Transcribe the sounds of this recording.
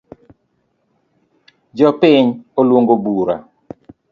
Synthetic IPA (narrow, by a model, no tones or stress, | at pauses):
d͡ʒɔpɪɲolwoŋɡobuɾa̰